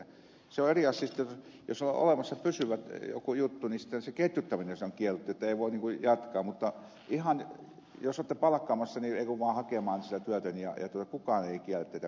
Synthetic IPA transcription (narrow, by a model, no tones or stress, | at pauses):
seoeriɑst̪ist̪ːjsjo̰solo̰ʔlemɑsːɑpysyʋæt̪jo̰kujut̪ːunisi̥t̪ːenseket̪ʲjut̪ːæmineseoŋkiælːut̪ːiet̪ːæeiʋoˑiniŋkujɑt̪kɑːmmut̪ːɑ | ʔihɑn | josoːt̪ːepɑlɑkːɑːmɑsːɑnieˑikoʋʋɑːhɑkemɑːnsit̪æt̪yæt̪ænijɑ̰jɑ̰t̪uot̪ɑkukɑˑneˑikiælːet̪ːeit̪æ